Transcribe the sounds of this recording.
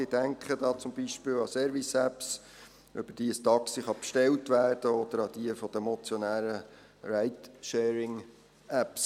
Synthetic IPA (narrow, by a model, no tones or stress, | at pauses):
id̥æŋkχədɑːt͡sʊmbiʃpɪːlɑsɛːɾvisæps | ʔœb̥əd̥iːəstɑksiχɑpʃtɛltʋæːrd̥əɔd̪əɾɑd̪iəfɔd̥̪əmɔt͡sjɔnæːɾə | ɾæɪt̪ʃɛːɾɪŋ | æps